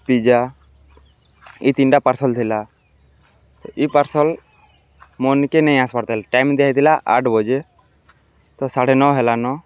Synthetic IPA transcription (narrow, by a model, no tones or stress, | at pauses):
pid͡ʒa | it̪inʈapaɾsɔlt̪ʰila | t̪ɔʔipəɾsɔl | mɔnkenɛĩaspaɽt̪ɛlʈajmd̪eait̪ʰilaʔa̰ʈʰbɔd͡ʒe | t̪ɔsaɽenɔɦɛlanɔ